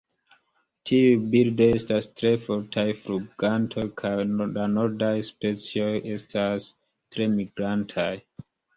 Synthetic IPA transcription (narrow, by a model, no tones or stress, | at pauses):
tʰiubildojestastɾefoɾtʰajfɾuɡantʰojkʰajlanoɾdajspet͡siojʔestʰas | tɾe̞miɡɾantʰaj